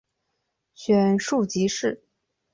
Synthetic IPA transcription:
ɕɥɛ˨˩nʂu˥˩t͡ɕi˧˥ʂɻ̩˥˩

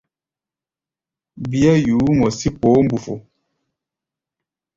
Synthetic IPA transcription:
bi˦a˦juː˨˦mɔ˨si˦po˨˦m̩˦bu˨fo̰˨

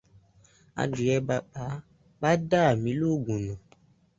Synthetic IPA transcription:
a̰˧di˨ɛ˧ba˨ɓa˨˦ | ba˦da˦a˨mĩ˨˧˦lo˦˨ɡũ˨nɔ̃˨

